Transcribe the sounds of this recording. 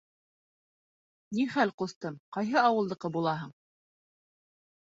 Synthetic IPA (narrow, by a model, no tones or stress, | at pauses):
niχælqŏst̪ɤmqɑjɦɤɑwɤ̆lˠd̪ɤ̆qɤbulˠɑɦɤɴ